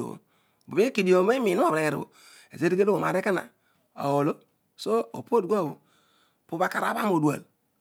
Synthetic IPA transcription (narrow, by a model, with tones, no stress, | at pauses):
o̰˨o̰˨ | bu˨bi˦ki˨di˨o˨ma˦i˦mi˨nu˦o˦˨ɾe˨ɾ̰o̰˨ | ḛ˨ze˦di˦ɡe˦lo˦o˨ma˨ɾe˦ki˦na̰˨ | o̰˨wo˨lo˦ | so˦o̰˨po˦dɡo˦˨bṵ˨ | pu˦ba˦ka˨ɾa̰˨˦ba˦m˦o˨du˨a̰˨l